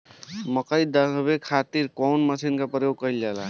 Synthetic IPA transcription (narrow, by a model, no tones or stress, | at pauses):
məkəjd̪əbekʰat̪iɾkɔnməsinkapɾəjoɡ̚kəjld͡ʒala